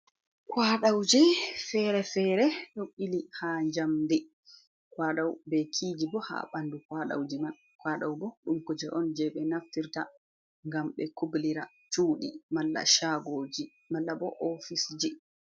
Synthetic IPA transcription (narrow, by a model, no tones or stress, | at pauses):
kwaɗawd͡ʒɛfɛɾɛfɛɾɛɗoɓilihaɲd͡ʒamdɛ | kwaɗawbɛkʰid͡ʒibɔha̰ɓandukwaɗa̰wd͡ʒiman | kwaɗawbɔɗumkud͡ʒɛʔɔnd͡ʒɛɓɛnaftiɾta | ŋɡamɓɛkubliɾa | t͡ʃuːɗḭmalːa̰ʃaɡoːd͡ʒi | malːabɔʔɔfisd͡ʒi